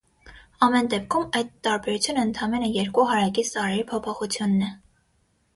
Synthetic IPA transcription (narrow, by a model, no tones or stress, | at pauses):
ɑmɛnd̪ɛp̚kʰumɑjd̪t̪ɑɾbɛɾut͡sʰjunəənt̪ʰɑmɛnəjɛɾkuɦɑɾɑkist̪ɑɾɛɾipʰɔpʰɔχut͡sʰjunːɛ